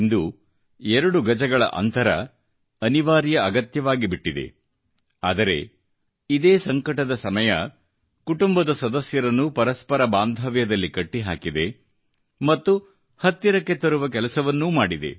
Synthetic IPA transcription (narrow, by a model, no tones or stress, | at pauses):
ind̪u | ɛɾɐɽuɡɐd͡ʒɐɡɐɭɐ̰ʔɐ̰nt̪ɐɾɐ̰ | ɐniʋaːɾijɐɐɡɐt̪jɐʋaːɡibiʈːid̪e̞̰ | aːd̪ɐɾe̞̰ | id̪eːsɐŋkɐʈɐd̪ɐsɐmɐjɐ | kuʈumbɐd̪ɐsɐd̪ɐsjɐɾɐnːupɐɾɐspɐɾɐbaːnd̪ʱɐʋjɐd̪ɐlːikɐʈːiɦa̰ːkid̪e̞ | mɐt̪ːu | hɐt̪ːiɾɐkːe̞t̪ɐɾuʋɐk̬ɛlɐsɐʋɐnːumaːɽid̪e̞̰